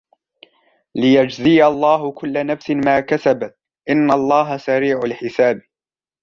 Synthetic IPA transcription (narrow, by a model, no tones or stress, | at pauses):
lɪjad͡ʒziːalˤːɑːɦʊkʊlːanafsɪmaːkasabat̪ | ʔɪnːalˤːɑːɦasaɾiːʕalħɪsaːb̚